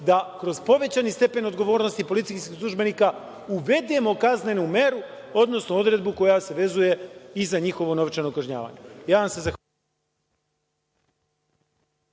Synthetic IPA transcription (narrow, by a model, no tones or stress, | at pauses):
d̪akɾo̞zpo̞ʋe̞t͡ɕanist̪e̞pe̞no̞d̪ɡo̞ʋo̞ːɾno̞st̪ipo̞lit̪siskislˠuʒbe̞nika | uʋe̞d̪emo̞kazne̞nume̞ɾuo̞d̪no̞snoo̞d̪ɾe̞d̪̚buko̞jase̞ʋe̞zuje̞izaɲixo̞ʋo̞no̞ʋt͡ʃanokaʒɲa̰ːʋa̰ɲe̞jaːʋamse̞zax